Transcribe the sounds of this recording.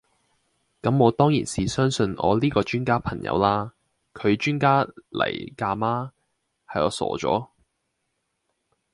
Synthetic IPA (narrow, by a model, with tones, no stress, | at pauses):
kɐ˨˥mɔː˨˧t̪ɔː˥ŋjḭː˨˩nsiː˨˩sœː˥ŋsɵ˧nʔɔː˨˧liː˥kɔː˧t͡ʃyː˥nkaː˥pʰɐ˨˩ŋjɐ̰˨˧wlaː˥ | kʰɵ˨˧ɥt͡ʃyː˥nkaː˥lɐ̰˨˩jkaː˧maː˥ | hɐ˨jɔː˨˧sɔ̰ː˨˧t͡ʃɔ̰ː˨˥